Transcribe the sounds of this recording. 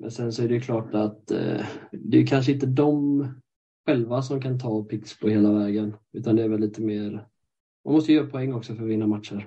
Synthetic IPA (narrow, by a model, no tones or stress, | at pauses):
mʔɛ̰nsɛnsɔæɾɛjɵkʰlɑːʈat̪ | d̪ɛjɵkʰanʂəɪnt̪əd̪ɔm | ɧɛlvasɔmkʰant̪ʰɑːpʰɪkspʰɔheːlavɛːɡənʉ̟ːt̪and̪ɛæɾvɛlːiːt̪əmeːɾ | ma̰nmɔst̪əjœːɾapʰʊɛŋːɔksɔfœɾvɪnːamat̪ʂəɾ